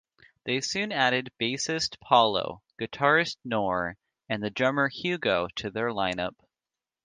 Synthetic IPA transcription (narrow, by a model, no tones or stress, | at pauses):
ðeɪsʉ̃næɾɨd̚b̥eɪsɨstpʰɑlˠo̰ʊɡ̥ɨtʰɑɹɨstnɔɹ | ɨ̃nðɨdɹʌmə˞hjʉɡoʊɾɨðə˞lãɪ̃nʌp̚